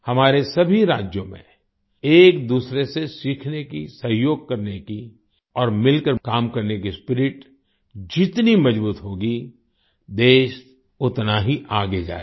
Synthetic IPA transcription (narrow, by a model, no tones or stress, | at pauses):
hɐmaːɾesɐbʱiɾaːd͡ʒjõmḛ̃ | eːkd̪uːsɾesesiːkʰnekisɐɦjoːɡ̚kɐɾneki | ɔːɾmɪlkəɾkaːmkɐɾnek̬ispɪɾɪʈ | d͡ʒɪt̪nimɐd͡ʒbuːt̪ɦoːɡi | d̪eːʃ | ʊt̪naɦiʔaːɡed͡ʒa̰ːe